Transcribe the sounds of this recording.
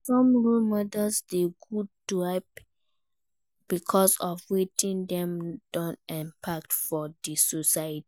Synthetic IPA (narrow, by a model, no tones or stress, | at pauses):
sɔ̃mɹulmɔdəsdeɡud̚dɹaɪp | b̥ikʰɔsɔfwetĩndɛ̃md̥ɔ̃ntɛ̃mpʰak̚tfɔdisɔsaəti